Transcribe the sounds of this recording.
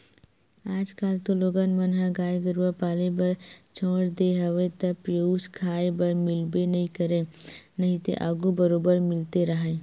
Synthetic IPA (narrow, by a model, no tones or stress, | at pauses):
aːd͡ʒkaːlt̪oloːɡənmənɦãɡaːjɡəɾʋapaːlebɐɾt͡ʃʰõːɽd̪eɦɐʋet̪ɐpjoskʰaːebɐɾmɪlbenɐɦĩkəɾẽnɐɦĩt̪ḛʔaɡubəɾoːbəɾmɪlt̪eɾɐɦẽː